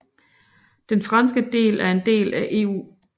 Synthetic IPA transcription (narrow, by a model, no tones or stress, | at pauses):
d̥enfʁɑ̈nsɡ̥əd̥e̝̰ːlæɐe̝nd̥e̝̰ːlæʔe̝̰ːṵː